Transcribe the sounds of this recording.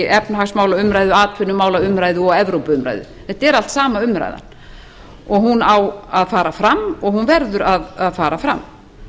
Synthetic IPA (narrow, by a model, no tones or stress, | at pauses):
ʔɛpnɦaxsmaːwlaʏmɾaːjðʏaːt̪ʰvɪnʏmaːwlaʏmɾaːjðʏɔɣɛvɾowpʏmɾa̰jðʏ̰θɛht̪ɛɾal̥t̪saːmaʏmɾa̰jða̰n | ɔɣhunawaðfaːɾafɾamːɔɣhunvɛɾðʏɾaðaðfaːɾafɾa̰mː